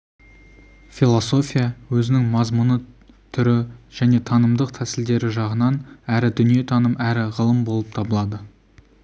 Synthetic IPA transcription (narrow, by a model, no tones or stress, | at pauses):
filˠo̞so̞fʲijawɵzɪnɪŋmɑzmunə | t̪ʰʏɾɪʒ̥æne̞t̪ʰɑnəmd̪əqt̪ʰæsɪld̪e̞ɾɪʒɑʁənɑnæɾɪd̪ʏnije̞t̪ʰɑnəmæɾɪʁəlˠəmbo̞lˠəp̚t̪ʰɑbəlˠɑd̪ə